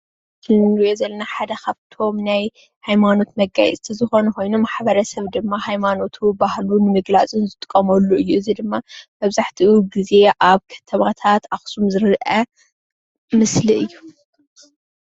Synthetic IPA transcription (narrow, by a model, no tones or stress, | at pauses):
tʰɨnɾijozɐlːɐnaħad̪ɐkʰaβt̪ʰo̞mnaj | hajmano̞t̪mɐɡːajɛ̰t͡sʼt̪ʰizɨxo̞nɛko̞jnumaħbɐɾɐsɐβd̪ɨmːahajmano̞t̪ʰubahlunɨmɨɡlat͡sʼɨnzɨt̪ʼɨ̥kʼːɐmɐlːuɨjːuɨzid̪ɨmːamɐβzaħt̪ʰiʔuɡize̞ʔaβkʰɐ̥t̪ʰɐβat̪ʰat̪axsumzɨɾʔɐ | mɨsliʔɨjːu